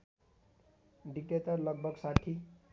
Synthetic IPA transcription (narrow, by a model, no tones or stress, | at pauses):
ɖik̚ʈet̪ʌrlʌɡ̚bʱʌɡsaʈʰi